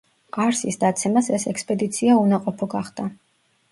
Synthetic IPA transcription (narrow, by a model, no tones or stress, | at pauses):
aɾsisd̪at̪sʰɛmasɛsɛkspʼɛd̪it̪sʰiaunaqʼɔpʰɔɡaχd̪̥a